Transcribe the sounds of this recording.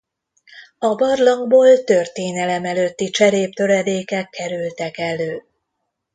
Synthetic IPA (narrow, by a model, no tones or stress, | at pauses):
ɒbɒrlɒŋɡboːlt̪ø̞rt̪eːnɛlɛmɛløt̪ːit͡ʃɛɾeːp̚t̪ø̞ɾɛd̪eːkɛkʰːɛɾylt̪ɛkɛløː